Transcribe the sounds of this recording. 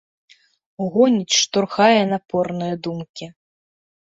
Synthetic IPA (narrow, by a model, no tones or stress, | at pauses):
ɣɔnʲit͡sʲʂt̪urxajɛnɐpɔrnɨjɐd̪umkʲi